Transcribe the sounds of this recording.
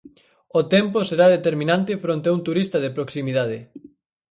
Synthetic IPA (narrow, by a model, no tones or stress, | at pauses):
ot̪ɛmposeɾaðet̪eɾmĩnãnt̪ɪfɾont̪eaunt̪uɾist̪ɐðepɾoksimiðað̞e